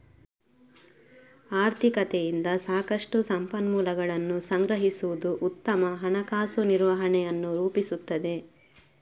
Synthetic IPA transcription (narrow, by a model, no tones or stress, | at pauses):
aːɾt̪ʰikɐt̪ejind̪ɐsaːkɐʂʈusɐmpɐnmuːlɐɡɐɭɐnːusɐŋɡɾɐɦisuʋud̪uʔut̪ːɐmɐɦɐnɐkaːsuniɾʋɐɦɐɳɛjɐnːuɾuːpisut̪ːɐd̪e̞